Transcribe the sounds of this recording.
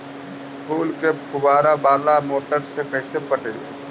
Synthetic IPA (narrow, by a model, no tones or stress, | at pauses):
pʰuːlkekʰʊbaːɾabaːlamoːʈəɾsekəɦɪsepəʈeːlḛ